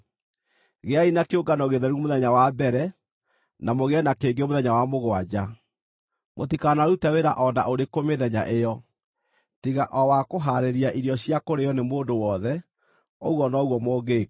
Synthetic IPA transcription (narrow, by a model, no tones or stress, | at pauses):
ɣeainakeoɡanɔɣeðɛɾumoðɛɲawabɛɾɛ | namoɣeɛnakeːɡemoðɛɲawamoɣoad͡ʑa | motikanaɾutaweɾaʔɔnda̰ʔoɾekomeðɛɲa̰ʔejɔ | tiɣaʔɔwakoɦaɾeɾiaʔiɾjɔɕjakoɾeɔnemoːndowɔðɛ | oɣwɔnɔɣwɔmoːɡeː